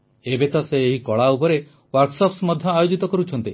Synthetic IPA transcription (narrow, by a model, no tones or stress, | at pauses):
ebet̪ɔseːɦikɔɭaupɔɾe | waɾksɔpsmɔd̪ʱjɔajod͡ʒit̪ɔkɔɾut͡ʃʰɔnt̪i